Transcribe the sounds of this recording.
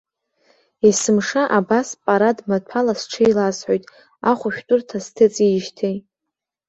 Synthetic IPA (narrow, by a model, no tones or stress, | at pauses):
isɨmʂaʔabaspʼaɾadmatʰalasʈ͡ʂʰɨjlasħojtʼ | aχʷʊʃᶣtʷʼʊrtʰastʰɨt͡sʼiʃtʰej